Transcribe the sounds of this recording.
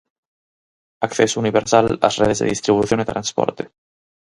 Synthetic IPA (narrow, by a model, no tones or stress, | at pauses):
akθesouniβeɾsala̰sreðezðḛðist̪ɾiβuθjonet̪ɾanspɔ̰ɾt̪e